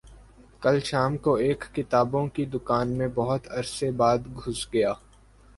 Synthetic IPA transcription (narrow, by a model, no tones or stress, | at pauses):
kɐlʃaːmkoeːkːɪt̪aːbõkid̪ʊkaːnmẽbɐɦʊt̪ɐɾsebaːd̪ɡʱʊsɡɐjaː